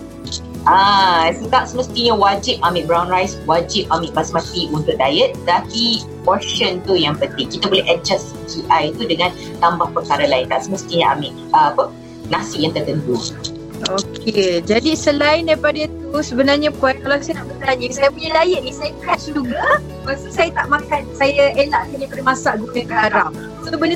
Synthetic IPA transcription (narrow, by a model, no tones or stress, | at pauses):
ʔasət̪aʔsəməst̪iɲawad͡ʒɪp̚amɪ̃ʔbɾawnɾajswad͡ʒip̚amɪʔbasmãt̪iunt̪ʊʔ̚dajət̪̚t̪aki | kɔʃənt̪ujaŋpənt̪ɪŋkit̪abolɛɦɛd͡ʒas | kiʔajt̪udəŋãn | t̪ambahpəkaɾalaɪnt̪aʔsəməst̪iɲaʔa̰mɪʔ | aapə | nasɪʔjaŋt̪ərt̪ənt̪u | oked͡ʒadisəlaɪndajpadait̪usəbənarɲapɔkalawsajat̪aʔbət̪aɲə̃sajəpuɲalajəʔ̚nisajakasd͡ʒuɡa | masusajat̪aʔmakansajaelaʔkəɲapəɾimasaʔɡunə̃kəaɾaw | sobənə